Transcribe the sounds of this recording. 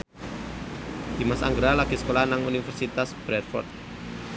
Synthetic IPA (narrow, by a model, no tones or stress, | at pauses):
d̪̥i̤masa̰ŋɡɾalaɡ̥i̤skolahnaŋunifɛrsit̪asb̥ɾɛt̪̚fɔ̰rt̪̚